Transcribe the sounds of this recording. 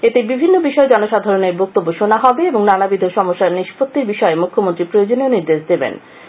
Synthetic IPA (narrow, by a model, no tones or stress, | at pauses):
et̪ebibʱinːobiʃɔed͡ʑɔnoʃad̪ʱaɾoneɾbok̚t̪obːoʃonaɦɔbeeboŋnanabid̪ʱoʃɔmoʃːaɾniʃpot̪ːiɾbiʃɔemukʰːomont̪ɾipɾojod͡ʑoneoniɾd̪eʃd̪ebḛn